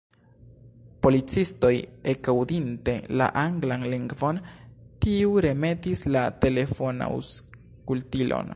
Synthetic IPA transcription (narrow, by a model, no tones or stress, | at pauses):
po̞lit͡sisto̞je̞kawdinte̞la̰ʔaŋɡlanliŋɡvo̞ntiuɾe̞me̞tislate̞le̞fona̰ṵs | kultilʔo̞̰n